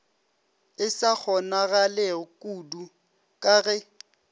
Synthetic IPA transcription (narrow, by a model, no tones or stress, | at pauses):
ɪsak͡xʰɔnaɣalɛɔkʼudu | kʼaɣɛ